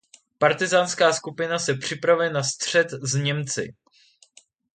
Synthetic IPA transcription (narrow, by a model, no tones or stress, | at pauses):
paɾt̪ɪzaːnskaːskupɪnasɛpr̝̥ɪpɾavɛnast̪r̝̥ɛt̪zɲɛmt͡sɪ̰